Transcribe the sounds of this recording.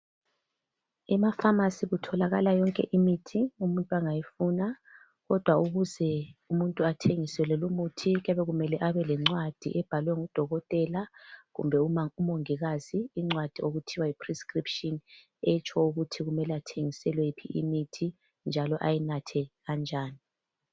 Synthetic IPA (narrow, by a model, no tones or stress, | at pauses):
imafamasiɣutʰɔlaɣalajɔŋkʼɛ̰ʔimitʰiumuntʼuaŋajifuːna | ɣɔd̥ʱwauɣuzɛumuntʼuatʰeŋisɛlɛlumutʰiɣɛβɛɣumɛlɛʔaβɛlɛŋ͡ǀwad̥ʱḭʔɛb̥ʱalwɛŋud̥ʱɔɣɔtʼɛlaɣṵmbʱɛuumoŋiɣaz̥iːŋ͡ǀwad̥ʱioɣutʰiwaipʰriskʼripʃʼɔn | ɛt͡ʃʰʼɔuɣutʰiɣumɛlɛatʰeŋisɛlwɛpʰḭʔḭmitʰi | nd͡ʒʱalɔʔajinatʰɛɣand͡ʒʱaːni